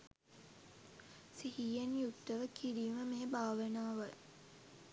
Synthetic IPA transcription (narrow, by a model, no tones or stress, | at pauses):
sihiːjenjukt̪ːəʋəkiɾiːməmeːbʱaːʋənaːʋə